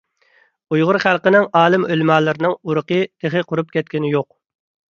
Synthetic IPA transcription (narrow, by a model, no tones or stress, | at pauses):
ujʁʊɾχælˠqənɪŋɑːlˠɨmølmɑːlˠɨɾɪnɨŋuɾəqət̪ʰeχɪqʰʊɾup̚kʲɛt̪̚kʲɪnɪjoq̚